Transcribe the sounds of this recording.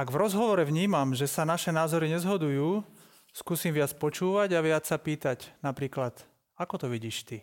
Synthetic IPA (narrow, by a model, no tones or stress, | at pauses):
aɡvɾɔzɦɔʋɔɾɛʋɲiːmamʒɛsanaʃɛnaːzɔɾiɲɛzɦɔd̪ujuː | skuːsiːmʋɪat͡spɔt͡ʃuːʋaɟaʋɪat͡sːapiːt̪aɟnapɾiːklat̪ | akɔt̪ɔʋiɟiːʃt̪i